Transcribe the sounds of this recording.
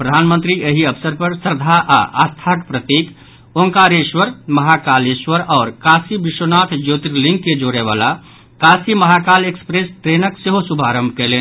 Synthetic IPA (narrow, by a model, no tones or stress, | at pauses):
pɾəd̪ʱaːnmə̃nt̪ɾieɦiəbsəɾpəɾsəɾd̪ʱaʔa̰ʔa̰st̪ʰakpɾət̪iːk | oŋkaɾeʃwəɾməɦakaːleʃwəɾɔːɾkasibiʃwənaːt̪ʰd͡ʒoːt̪ɾilĩŋkːed͡ʒoːɾeʋa̰la | kasiməɦakaːlekspɾest̪ɾeːnəkseɦosubʱaɾə̃mbʱkɛleːn